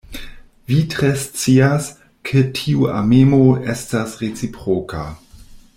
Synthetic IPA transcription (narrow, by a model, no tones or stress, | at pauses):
vitɾest͡sias | kʰetʰiuʔa̰memoestasʁet͡sipɾokʰa̰